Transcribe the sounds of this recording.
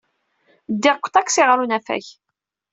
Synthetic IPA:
d̪ːɪʁkʷːt̪ˤæksiʁɾunæfæ̰ç

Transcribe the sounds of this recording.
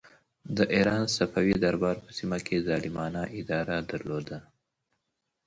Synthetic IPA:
d̪əʔiɾɑnsafawid̪aɾbɑɾpə̥simakʰezɑlɪmɑnaʔɪd̪ɑɾad̪aɾlod̪a

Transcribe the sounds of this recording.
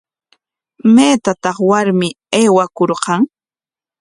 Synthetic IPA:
meːt̪at̪ɑχwaɾmɪ | eːwakoɾqɑŋ

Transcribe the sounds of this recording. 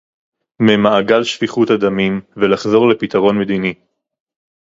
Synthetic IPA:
memaːɡalʃviχut̪ad̪amimvelaχzo̞ʁle̞pit̪aʁo̞nme̞d̪ini

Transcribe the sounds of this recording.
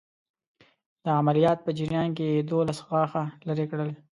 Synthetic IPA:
d̪̥əamalijɑːt̪̚pəd͡ʒiɾijɑnk̬ejed̪olasɣɑxalaɾekɽəle

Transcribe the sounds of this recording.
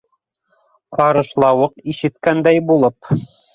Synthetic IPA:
qɑɾɤ̆ʃlˠɑwɤqiʃɘ̆t̪kænd̪æjbulˠɤp

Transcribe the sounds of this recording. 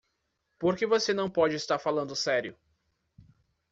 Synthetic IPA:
poɾkevosenɐ̃w̃pɔd͡ʒɪst̪aɾfalɐ̃nd̪ʊsɛɾjʊ

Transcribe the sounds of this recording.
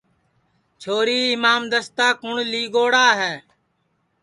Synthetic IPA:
t͡ʃʰoːɾiːɪmaːmd̪əst̪aːkʊɳliːɡoːɽaːɦɛː

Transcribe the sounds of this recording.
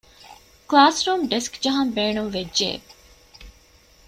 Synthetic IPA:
klaːsɾuːmɖeskd͡ʒɐɦɐmbeːɳumʋedʒḛː

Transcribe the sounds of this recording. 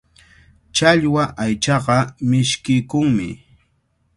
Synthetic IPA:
t͡ʃaʎwaʔajt͡ʃɑɢɑmɪʃkɪjkʊŋmɪ̰

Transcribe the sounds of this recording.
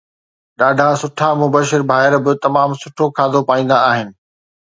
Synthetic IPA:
ɗaːɖʱasʊʈʰamʊbəʃɪɾbʱaːɦɪɾbɪt̪ɐmaːmsʊʈʰokʰaːd̪ʱopaːĩːnd̪aːɦɪnɪ̆

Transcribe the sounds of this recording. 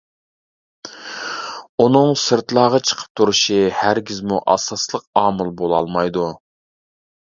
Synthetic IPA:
unɨŋsɨɾt̪lˠɑːʁɑt͡ʃʰə̥qʰə̥p̚t̪ʰuɾuʃihæɾɡʲizmuʔɑsɑslˠəq̚ɑːmɨlˠbolˠɑ̰lˠmɑjd̪u

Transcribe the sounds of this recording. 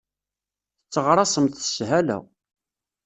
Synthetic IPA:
θət͡sːəʁɾˤɑsəmθə̥sɦælæ̰

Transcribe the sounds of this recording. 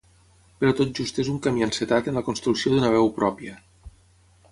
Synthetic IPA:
pəɾɔt̪ot̪̚d͡ʒust̪ezuŋkamianset̪at̪ənləkonst̪ɾuksioðunəβ̞ɛwpɾɔpiə

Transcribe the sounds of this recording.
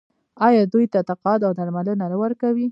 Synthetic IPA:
ɑjɑd̪ujt̪at̪aqɑd̪awd̪aɾmalənaɾawəɾkawi

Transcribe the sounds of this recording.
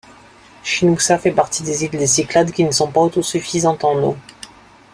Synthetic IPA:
ʃinusafɛpaʁt̪id̪ezild̪esiklad̪kʲinəsɔ̃paot̪osyfizɑ̃t̪ɑ̃no̰

